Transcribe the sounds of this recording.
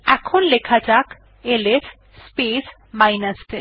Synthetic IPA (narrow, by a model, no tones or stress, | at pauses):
ɛkʰonlekʰad͡ʑak | eles | spes | majnasʈe